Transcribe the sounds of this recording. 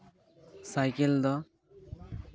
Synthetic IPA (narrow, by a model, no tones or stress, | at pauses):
sajkeld̪ɔ